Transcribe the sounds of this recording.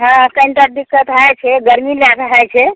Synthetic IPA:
ɦãəkə̃nʈad̪ikːət̪ɦaɛt͡ʃʰɛɡəɾmilakɦaet͡ʃʰɛ

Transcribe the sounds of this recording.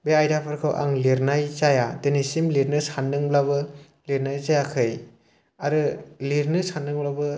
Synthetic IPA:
beajdapʰɯɾkʰɯwʔa̰ŋliɾnajzajadɯnisimliɾnɯsanːɯŋblaβɯ | liɾnajzajakʰɯj | aɾɯliɾnɯsanːɯŋblabɯ

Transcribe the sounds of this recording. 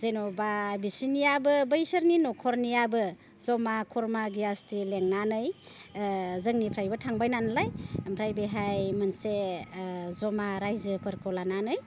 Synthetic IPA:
zenɔbabisinijabɯbɯjsəɾninɔkʰɔɾnijabɯ | zɔmakʰɔɾmaɡijastʰileŋnanɯj | zɯŋnipʰɾajbɯtʰaŋbajnanlajmpʰɾajbeɦajmɯnse | zɔmaɾajzɯpʰɯɾkʰɔlananɯj

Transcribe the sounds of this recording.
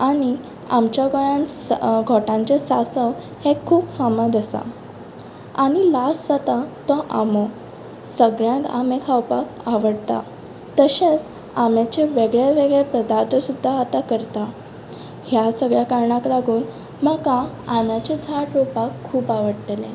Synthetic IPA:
aɽ̃i | amt͡ɕjaɡɔjãnɡʱɔʈãɲt͡ɕesasə | hekʰːuːpfaməd̪əsa̰ | aɽ̃ilasd͡zat̪ãt̪ɔ̃ʔamɔ | səɡɭjãka̰mẽkʰawpakaʋəɽt̪a̰ | t̪əɕẽt͡s | amjat͡ɕeʋeɡɭjaʋeɡɭepəd̪aɾt̪ʰəsud̪ʱːaat̪akəɾt̪a | hjasəɡɭjakaɾɳaklaɡʱuːn | məkã | amjat͡ɕed͡zʱaʈɾopakʰːuːpaʋəɽʈ̪elẽ

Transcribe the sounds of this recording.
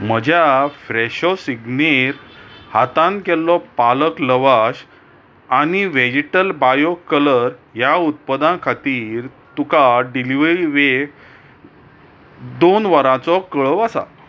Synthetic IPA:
m̤əd͡ʑʱjafɾeɕɔsiɡneɾhat̪ãnkɛlːɔpaləkləʋaɕ | aɽ̃iʋed͡ʑeʈəlbajokələɾjaut̪̚pəd̪ãkʰat̪iːɾ | t̪ukaɖiliʋɾiʋe | d̪onʋəɾãt͡sɔkəɭəʋasa̰

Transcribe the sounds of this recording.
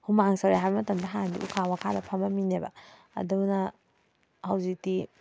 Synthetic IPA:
humaŋsɐɾejɦajbɐmɐtɐmdɐɦandḭʔukʰawɐkʰadɐpʰɐmɐminebɐ̰ | ɐ̰dunɐ | hɐwzik̚ti

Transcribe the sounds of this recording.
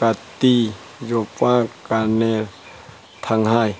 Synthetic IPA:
kat̪i | jopakanɛ | t̪ʰaŋhaːj

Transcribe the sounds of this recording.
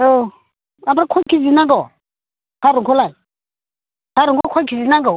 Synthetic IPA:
o | abɾakʰʷakizinaŋɡa | kaɾukulai | kaɾukakʷakizinaŋɡo

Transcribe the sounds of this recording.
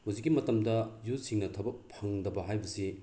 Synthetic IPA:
huzik̬ːimɐtɐmdɐjusiŋnɐtʰɐbɐk̚pʰɐŋdɐbɐɦajbɐsi

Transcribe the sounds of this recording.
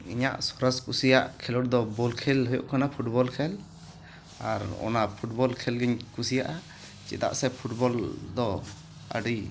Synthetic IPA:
iɲaʔsɔɾaskusijaʔkʰɛlɔʈd̪ɔbɔlkʰɛlɦɔjɔ̰ʔkanapʰuʈbɔlkʰɛl | aɾɔ̰napʰuʈ̚bɔlkʰɛlɡɛɲkusijaʔa | t͡ʃḭt̪a̰ʔsɛpʰuʈbɔld̪ɔ | ə̰ɖi

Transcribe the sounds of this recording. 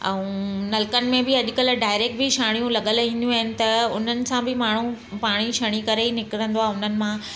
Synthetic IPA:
ɛ̃ũnɐlkənɪ̆mẽbɪɐʄʊkəlɖaːɪɾeːk̚ʈ̚bɪʃaːɽijũlɐɠəlɦĩːnd̪jũaɦɪnɪ̆t̪ɐʊn̤ənɪ̆sãbʱɪmaːɳ̤u | paːɽ̃iʃɐɽ̃ikɐɾeinɪkɾə̃nd̪oaːʊn̤ənɪ̆mã

